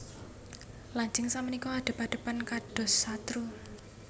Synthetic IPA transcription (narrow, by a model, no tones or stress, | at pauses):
laɲd͡ʒɪŋsamənikɔaɖ̪̥ə̤paɖ̥ə̤pankaɖ̥ɔ̤sat̪ɾu